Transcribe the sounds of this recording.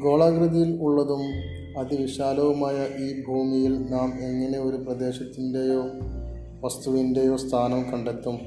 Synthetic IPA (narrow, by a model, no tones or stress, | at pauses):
ɡo̞ːɭaːɡɾɐðɐjiluɭːɐðum | ɐd̪iʋiɕaːlɐʋɐmaːjɐʔiːbʱuːmijilnaːme̞ŋːɐne̞o̞ɾuprɐd̪e̞ːɕɐt̪ːindejoː | ʋɐst̪uʋinde̞jo̞ːst̪ʰaːnɐmkɐɳɖe̞t̪ːum